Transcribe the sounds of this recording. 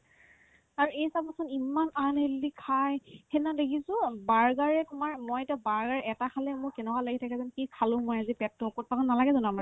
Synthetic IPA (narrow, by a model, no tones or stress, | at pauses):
aɹuejsab̚masɔnimananɦeldikʰajhenadekʰisʊ̃baɹɡaɹɛtʊmaɹmojetabaɹɡaɹɛtakʰalɛmʊɹkɛnɛkalaɡitʰakɛzɔnkikʰalʊ̃mojazipɛtːɔokɔt̚pakɔnːalaɡɛzɔnama